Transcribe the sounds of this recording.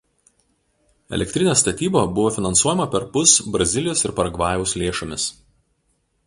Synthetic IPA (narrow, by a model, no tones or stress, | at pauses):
ɛ̰lʲɛk̚ʲt̪ʲɾʲɪnʲeːst̪ɐt̪ʲiːboːbʊʋoːfʲɪnɐnsuɔjɛmɐpʲɛɾpʊsbɾɐzʲɪlʲɪjoːsɪɾpɐɾɐɡʋɑːjɛʊslʲeːʃomʲɪs